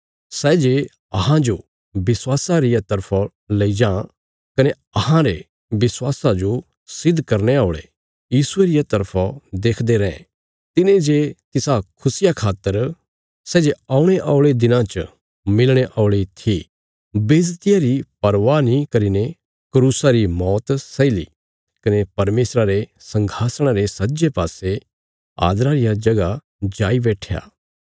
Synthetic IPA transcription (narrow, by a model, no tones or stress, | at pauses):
sɛːd͡ʒe | ɐɦãd͡ʒo | bɪswaːsaɾɪjat̪ɐɾpʰo | lɐid͡ʒãː | kɐne | ɐhãɾe | bɪswaːsad͡ʒo | sɪd̪ʱkɐɾneaːɭḛ | jiːsʊeɾɪjat̪ɐɾpʰad̪eːkʰd̪eɾɛ̃ɛ̃ | t̪ɪnẽd͡ʒet̪ɪsakʰʊsɪjakʰaːt̪ːəɾ | sɛːd͡ʒeaːuɽ̃eʔɔːʊɭed̪ɪnãt͡ʃ | mɪlɽ̃eʔɔːʊɭit̪ʰi | beːd͡ʒt̪ɪjaɾipɐɾʋanikɐɾine | kɾuːsaɾimɔːt̪sɐilḭ | kɐnepɐɾmeːsɾaɾesɐ̃ŋɡʱaːsɽ̃aɾesɐtːd͡ʒepaːse | a̰ːd̪ɾaɾɪjad͡ʒɐɡa | d͡ʒaːibɛːʈʰja̰ː